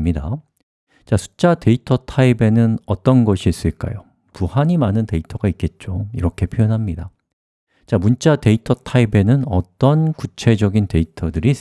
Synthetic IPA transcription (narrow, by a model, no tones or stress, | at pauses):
mɲida̰ | t͡ɕasʰu̥t͡ɕ͈ate̞itʰʌtʰaibe̞nɯnʌt͈ʌnɡʌɕʰiːs͈ɯɭk͈a̰jo | puhaɲimanɯnte̞itʰʌɡaik͈e̞t̚t͡ɕ͈oiɾʌkʰe̞pʰjojʌnɦamɲida | t͡ɕamunt͡ɕ͈ate̞itʰʌtʰaibe̞nɯnʌt͈ʌnkut͡ɕʰe̞d͡ʑʌɡinte̞itʰʌdɯɾi